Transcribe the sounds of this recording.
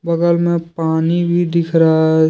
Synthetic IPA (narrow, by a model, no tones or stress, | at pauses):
bəɡəlmẽpaːnibʱid̪ɪkʰɾa